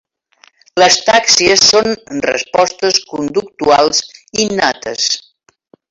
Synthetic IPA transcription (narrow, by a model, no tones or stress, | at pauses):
ləst̪aksiəsːonrə̰spɔst̪əskund̪uk̚t̪ualˠzinat̪əs